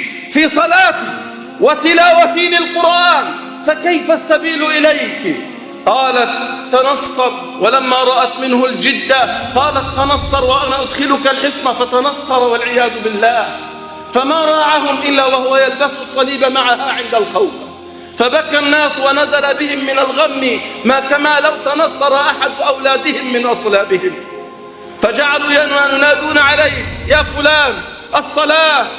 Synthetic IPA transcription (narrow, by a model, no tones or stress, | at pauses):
fiːsˤɑlɑːt̪i | wat̪ɪlaːwat̪ilɪlqʊɾʔaːn | fakajfasːabiːlʔɪlajk | qɑːlat̪ːanɑsˤːɑɾˤ | walamːaːɾˤɑʔat̪mɪnhʊld͡ʒɪd̪ːaqɑːlat̪ːɑnɑsˤːɑɾˤwaʔanaʔʊd̪xɪlʊkalħɪsmafat̪anɑsˤːɑɾˤwalʕɪjaːðʊbɪlːaːh | famaːɾˤɑːʕaɦʊmʔɪlːaːwahʊwajalbassˤːɑliːbamaʕahaʕɪnd̪alxawf | fabakːanːaːswanazalabɪhɪmːɪnalɣamːimaːkamaːlawt̪anɑsˤːɑɾˤɑʔaħad̪ʔawlaːd̪ɪhɪmːɪnʔɑsˤlaːbɪhɪm | fad͡ʒaʕaluːjanwanʊnaːd̪uːnaʕalajjaːfʊlaːn | ʔɑsˤːɑlaː